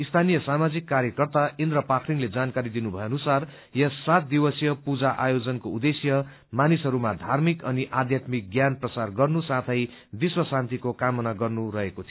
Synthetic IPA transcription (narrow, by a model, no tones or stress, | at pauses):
ist̪ʰanijʌsamad͡zikːaɾjʌkʌrt̪aʔend̪ɾʌpakʰriŋled͡zankaɾid̪inubʱʌeʌnusar | jʌsːat̪̚d̪iwʌsjʌpud͡zaʔa̰jod͡zʌnkoud̪esjʌ | manisɦʌɾumad̪ʱarmikʌniʔad̪ʱjat̪mik̚ɡjanprʌsarɡʌrnusat̪ʰʌj | biswʌsãnt̪ikokamʌnaɡʌrnuɾʌɦekot̪ʰi